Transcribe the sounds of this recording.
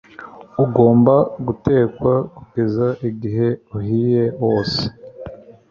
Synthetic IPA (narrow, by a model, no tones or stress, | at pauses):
uɡo̞ːmbaɡute̞ːkwakuɡezaʔiɡiɦe̞uhije̞wo̞ːse̥